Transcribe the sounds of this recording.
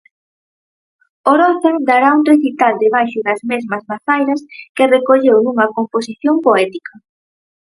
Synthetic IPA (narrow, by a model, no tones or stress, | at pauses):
oɾɔθaŋd̪aɾaunreθit̪ald̪eβ̞ajʃʊðɐzmezmɐzmaθajɾɐskɪrekoʎewnuŋɐkomposiθjompoɛt̪ikɐ